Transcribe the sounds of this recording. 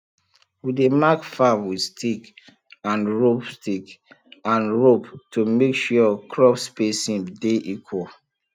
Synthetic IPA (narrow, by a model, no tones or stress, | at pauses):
widemakfamwidstʰik | ãnɹopstik | ãnɹoptumekʃuɔkʰɹɔpspesĩmdeʔikʰwo